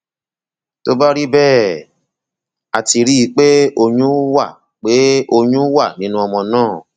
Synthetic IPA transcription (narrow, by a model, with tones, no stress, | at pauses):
to˦ba˦ɾi˦bɛː˦˨ | a˨ti˧ɾi˦i˧k͡pe˦o˧ɲũ˦wa˦˨ | k͡pe˨˦o˧ɲũ˦wa˦˨nĩ˦nũ˦ɔ˧mɔ̃˧nãː˦˨